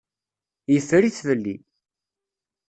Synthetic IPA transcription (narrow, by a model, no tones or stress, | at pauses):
jəfːɾiθvəlːḭ